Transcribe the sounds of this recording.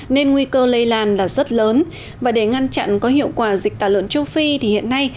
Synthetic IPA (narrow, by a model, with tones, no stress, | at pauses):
ne˧nŋwi˧kəː˧lə˧jlaː˧˩nlaː˨˩zə˦˥t̚ləː˨˦n | vaː˨˩ɗe˧˩ŋa˧nt͡ɕa̰˧˨nkɔ˨˦ɦḭ˧˨əwkwaː˧˩zi˨˩k̟̚t̪aː˧˩lwə̰˧˨nt͡ɕə˧wfi˧t̪ʰi˨˩hḭ˧˨ənːa˧j